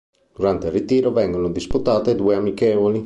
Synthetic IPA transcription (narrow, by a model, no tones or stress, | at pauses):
d̪̥uɾant̪elrːit̪iːɾovɛŋɡonod̪isput̪aːt̪ed̪uːeamikɛːvoli